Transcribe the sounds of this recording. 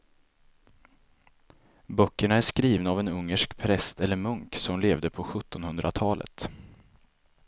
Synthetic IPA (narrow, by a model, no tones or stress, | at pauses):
bœkːəɳaæʂkɾiːvnaːvɛnɵŋːəʂkpʰɾɛst̪ɛlːəɾmɵŋksɔmleːvd̪əpʰɔɧɵt̪ːɔnhɵnd̪ɾʔat̪ʰɑːlʔə̰t̪